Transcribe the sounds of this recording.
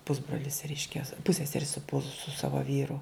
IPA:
ˈpʊzbroːlʲɪs ˈrʲɛɪʃʲkʲɛ ˈpʊsʲsʲɛsʲɛrʲɪ sʊ pʊs sʊ ˈsɑːʋɐ ˈʋʲiːrʊ

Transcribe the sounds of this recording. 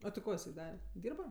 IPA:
ɐ tʲɪ ˈkoː ɪˈsɐɪ ˈdɑːrʲɛ ˈdʲiːrbɐ

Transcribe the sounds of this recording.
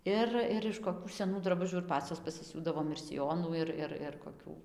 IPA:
ˈɪr ɪr ɪʃ koːˈkʲuː sʲɛˈnuː drɐˈbʊʒʲuː ɪr ˈpɑːt͡sʲoːs pɐsʲɪˈsʲuːdɐʋoːm ɪr sʲɪˈjoːnuː ˈɪr ˈɪr ɪr koːˈkʲuː

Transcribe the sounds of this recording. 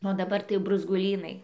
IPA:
oː dɐˈbɐr tɐɪ jɛʊ brʊzɡʊˈlʲiːnɐɪ

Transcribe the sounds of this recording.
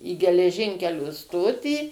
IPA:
iː ɡʲɛlʲɛˈʒʲɪŋʲkʲɛlʲoː ˈstoːtʲiː

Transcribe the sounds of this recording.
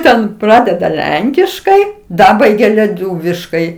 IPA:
ˈtʲɛn ˈprɑːdʲɛdɐ ˈlʲɛŋʲkʲɪʃkɐɪ ˈdɑːbɐɪɡʲɛ lʲɛˈtuːʋʲɪʃkɐɪ

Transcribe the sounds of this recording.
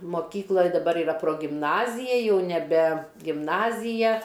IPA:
moːˈkʲiːklˠɐ dɐˈbɐr ɪˈrɐ proːɡʲɪmˈnɑːzʲɪjɛ jɛʊ nʲɛˈbʲɛ ɡʲɪmˈnɑːzʲɪjɛ

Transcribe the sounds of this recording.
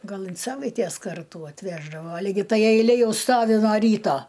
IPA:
ɡɐlˠ ɪn ˈsɑːʋɐɪtʲeːs ˈkɐrtuː ɐtʲˈʋʲæːʒdɐʋoː lʲɪɡʲɪ ˈtɐɪ ɛɪˈlʲeː ˈjɛʊ ˈstoːʋʲɪ noː ˈrʲiːtoː

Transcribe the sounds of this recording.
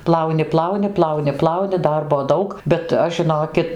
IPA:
ˈplˠɐʊnʲɪ ˈplˠɐʊnʲɪ ˈplˠɐʊnʲɪ ˈplˠɐʊnʲɪ ˈdɐrboː ˈdɐʊk bʲɛt ˈɐʃ ʒʲɪˈnoːkʲɪt

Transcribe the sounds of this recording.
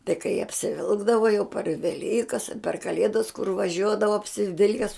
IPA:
tɐɪ kɐɪ ɐpʲsʲɪˈʋʲɪlˠɡdɐʋɐ jɛʊ pɐr ʋʲɛˈlʲiːkɐs ɐ pʲɛr kɐˈlʲeːdɐs kʊr ʋɐˈʒʲuɔdɐʋɐ ɐpʲsʲɪˈʋʲɪlʲkʲɛs

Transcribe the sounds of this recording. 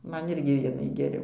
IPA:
ˈmɐn ˈɪrʲɡʲɪ ˈʋʲiɛnɐɪ ɡʲɛˈrʲɛʊ

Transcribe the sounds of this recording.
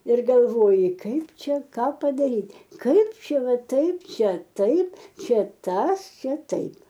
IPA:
ɪr ɡɐlˠˈʋoːjɪ ˈkɐɪp ˈt͡ʃʲɛ ˈkɑː pɐdɐˈrʲiːtʲ ˈkɐɪp ˈt͡ʃʲɛ ˈʋɐ ˈtɐɪp ˈt͡ʃʲɛ ˈtɐɪp ˈt͡ʃʲɛ ˈtɐs ˈt͡ʃʲɛ ˈtɐɪp

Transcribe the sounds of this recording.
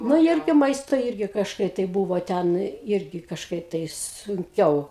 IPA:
ˈnʊ ˈɪrʲɡʲɪ ˈmɐɪstoː ˈɪrʲɡʲɪ kɐʃˈkɐɪp tɐɪ ˈbuːʋoː ˈtʲɛn ˈɪrʲɡʲɪ kɐʃˈkɐɪp tɐɪ sʊŋʲˈkʲɛʊ

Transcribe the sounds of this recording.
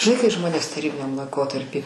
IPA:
ʒʲɪˈnɐɪ kɐɪ ˈʒmoːnʲeːs tɐˈrʲiːbʲɪnʲɛm lˠɐɪˈkoːtɐrʲpʲiː

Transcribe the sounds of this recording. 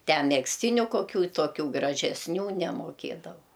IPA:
ˈtʲɛ mʲɛksʲˈtʲiːnʲʊ koːˈkʲuː toːˈkʲuː ɡrɐʒʲɛsʲˈnʲuː nʲɛmoːˈkʲeːdɐʋɐʊ

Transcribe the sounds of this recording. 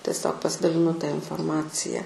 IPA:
tʲɛsʲˈoːk pɐsʲɪdɐlʲɪˈnʊ tɐ ɪnfoːrˈmɑːt͡sʲɪjɛ

